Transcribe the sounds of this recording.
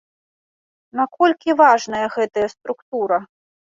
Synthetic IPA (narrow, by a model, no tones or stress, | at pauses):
nakɔlʲkʲivaʐnɐjɐɣɛt̪ɐjɐst̪ɾukt̪uɾɐ